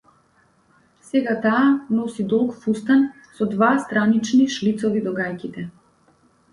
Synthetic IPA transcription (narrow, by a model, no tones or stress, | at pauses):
sɛɡat̪aːnɔsid̪ɔlˠkfust̪an | sɔd̪vast̪ɾanit͡ʃniʃlit̪sɔvid̪ɔɡajkit̪ɛ